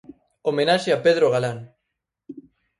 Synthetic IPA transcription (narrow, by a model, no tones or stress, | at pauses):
omenaʃeapeð̞ɾoɣ̞alaŋ